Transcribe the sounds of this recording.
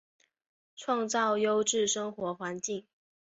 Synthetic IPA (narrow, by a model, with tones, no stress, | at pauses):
ʈ͡ʂʰwɑ˥˧ŋt͡sɑ˥˩ʊjo˥ʊʈ͡ʂɻ̩˥˩ʂɤ˥ŋxwɔ˧˥xwa˧˥nt͡ɕi˥˩ŋ